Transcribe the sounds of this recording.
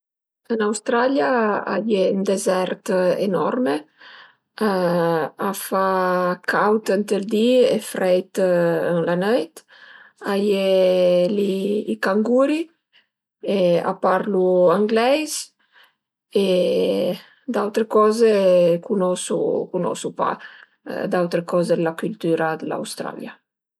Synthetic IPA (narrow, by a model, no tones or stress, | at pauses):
ənawst̪ɾaljaa̰jeund̪ezɛɾt̪ḛnɔ̰ɾme | afakʰawt̪ənt̪əld̪iḛfɾɛjt̪ənlanəjt̪ | ajeliːkaŋɡuɾi | ea̰paɾluaŋɡlɛjs | e | d̪awt̪ɾekɔːzekunɔsṵkunɔ̰supa̰ | d̪awt̪ɾekɔzelakylt̪yɾad̪əla̰wst̪ɾa̰lja